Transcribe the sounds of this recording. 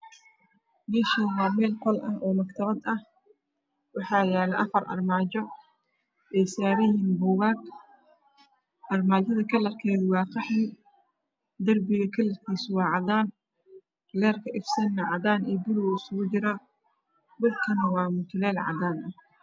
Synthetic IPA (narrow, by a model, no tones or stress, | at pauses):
mɛːʃɐwɑːmɛːlqɔlʔɐ̰hɔːmɐkt̪ʰɐβɐd̪ɐh | wɑħɑːjaːlɛʔɐfɐrʔɐ̰rmaːt͡ʃɔ | ʔɛjsaːβɛjɪnbʊɣaːɡ | ʔɐrmaːd͡ʒɐðɐkʰɐlɐrkʰɛːðʊwɑːqɑħɪ | d̪ɐrbɪɣɐkʰɐlɐrkʰiːswɑːʕɑd̪aːn | lɛːrkʰɐʔɪfsɐnːɐʕɑd̪aːnɛːbʊluwsʊɣʊt͡ʃɪɾɐ | bʊlkʰɐnɐwɑːmʊt̪ʰʊlɛːlʕɑ̰d̪aːnɐh